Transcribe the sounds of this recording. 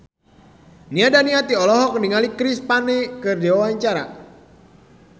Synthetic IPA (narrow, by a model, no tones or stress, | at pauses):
niadaniat̪iɔlɔɦɔk̚əniŋalikɾispanɛkɨrdiwawaɲt͡ʃaɾa̰